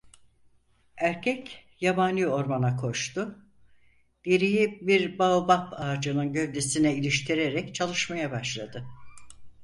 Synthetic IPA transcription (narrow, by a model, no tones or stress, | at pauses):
æɾcʰɛc | jabanʲio̞ɾmanakʰo̞ʃt̪ʊ | d̪̥eɾijibiɾbaubapaːd͡ʒɯnɯnɟø̞vd̪esinɛilʲiʃt̪ʰiɾeɾɛct͡ʃʰalˠɯʃmajabaʃlˠad̪ɯ